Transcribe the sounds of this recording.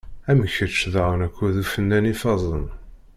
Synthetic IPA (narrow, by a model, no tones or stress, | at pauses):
æməçət͡ʃːðaʁənækʷːæðufənːænifɑzˤən